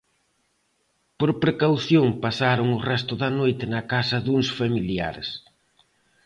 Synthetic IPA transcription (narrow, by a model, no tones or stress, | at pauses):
poɾpɾekawθjoŋpasaɾʊŋʊrɛst̪ʊðɐnojt̪ɪnɐkasɐðuŋsfamilja̰ɾs